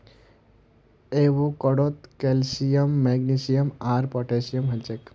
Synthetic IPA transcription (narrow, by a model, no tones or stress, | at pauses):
eʋokɔɽot̪kelsijəmːeɡnisijəmaːɾpɔʈesijəmɦɐt͡ʃek